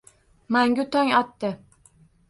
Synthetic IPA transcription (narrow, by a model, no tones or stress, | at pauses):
maŋɡʲʊt̪ʰɒŋɒt̪ːɪ